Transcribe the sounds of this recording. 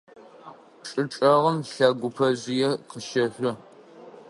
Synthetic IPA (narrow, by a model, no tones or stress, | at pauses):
ʈ͡ʂʼɨʈ͡ʂʼɐʁəmɬɐɡʷʊpʰɐzɪjɛqəʃɐɕʷʊ